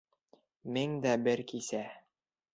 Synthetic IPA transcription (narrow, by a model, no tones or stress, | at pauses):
miŋd̪æbɘɾkisæ